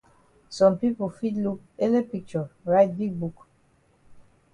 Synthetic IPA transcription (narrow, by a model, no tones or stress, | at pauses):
sɔ̃mpipofidluk̚elepik̚t͡ʃɔɹaɪt̚bik̚buk